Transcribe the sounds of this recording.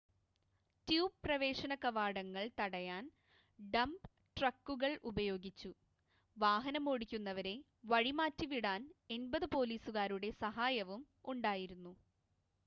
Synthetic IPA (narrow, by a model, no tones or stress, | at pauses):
tjuːbprɐʋe̞ːʂɐnɐkɐʋaːɽɐŋːɐɭt̪ɐɽɐjaːn | ɖɐmb | ʈrɐkːuɣɐɭʔubɐjo̞ːɡit͡ɕːu | ʋaːɦɐnɐmo̞ːɽikʲːunːɐʋɐɾe̞ | ʋɐɻimaːtːiʋiɽaːne̞nbɐðɨpo̞ːliːsuɣaːɾuɽe̞sɐɦaːjɐʋum | uɳɖaːjiɾunːu